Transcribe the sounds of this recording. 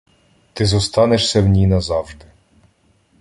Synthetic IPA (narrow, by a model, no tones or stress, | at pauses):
t̪ɪzɔst̪ɑneʃsʲɛwnʲinɐzɑwʒd̪ɪ